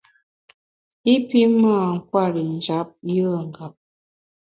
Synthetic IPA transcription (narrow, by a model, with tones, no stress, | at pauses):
i˦pi˦ma˦˨ŋ̩˦kwa˦˨ɾi˨n˨d͡ʒa˦p̚jə˦˨ŋ̩˨ɡa˨˦p̚